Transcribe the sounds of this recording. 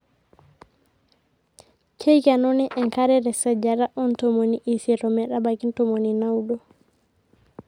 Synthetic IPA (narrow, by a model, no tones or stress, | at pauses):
kʰɛjkanɔnɛʔɛŋkaɾɛɾɛsad͡ʒaɾaʔɔntɔmoniʔisiɾɔmɛɗabakintɔmoninawɗɔ